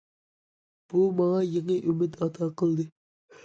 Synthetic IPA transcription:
b̥umɑŋɑjeŋəʔymɪt̪ɑt̪ʰɑqəlˠd̪ɨ

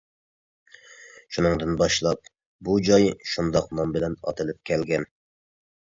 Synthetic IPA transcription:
ʃunɨŋd̪ɨnbɑʃlˠɑp̚ | bud͡ʒɑjʃund̪ɑqnɑmbɪlɛnɑ̰t̪ʰɨlɪp̚kʲʰɛlɡʲɛn

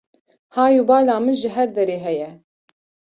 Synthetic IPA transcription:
hɑːjubɑːlɑːmɨnʒɪɦɛɾd̪ɛɾeːɦɛjɛ

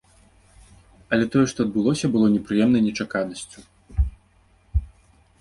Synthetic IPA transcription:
ɐlʲɛt̪ɔjɛʂt̪ɔɐd̪̚bɨlˠɔsʲɐbɨlˠɔnʲɛpɾɨjɛmnɐjnʲɛt͡ʂakanɐsʲt͡sʲu

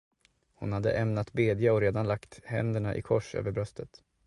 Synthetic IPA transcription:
hʊnhad̪ːə̰ʔɛmnat̪beːd̪jaɔɾeːd̪anlakt̪hɛ̰nd̪əɳaʔɪ̰kʰɔʂø̰ːvəɾbɾœst̪ət̪

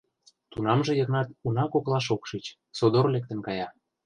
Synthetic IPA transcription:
t̪unɑmʒĕjɤ̆ɣnɑt̪unɑkoklɑʃ̬okʃit͡ɕ | sod̪oɾlek̚t̪ə̆nkɑjɑ

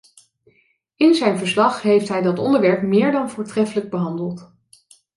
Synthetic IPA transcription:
ɪnzɛjnvəɹslɑχɦejftɦɛjdɑtɔ̰ndəɹʋɛɹpmɪːɹdɑnvʊːɹtrɛfələɡ̚bəɦɑndəlˠt

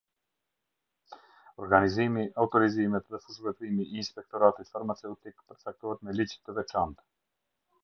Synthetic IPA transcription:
ɔɾɡanizimiaut̪ɔɾizimɛt̪ðɛfuzvɛt̪ɾimiːnspɛk̚t̪ɔɾat̪it̪faɾmat͡sɛut̪ikpəɾt͡sak̚t̪ɔhɛt̪mɛlid͡ʒt̪ːəvɛt͡ʃant̪

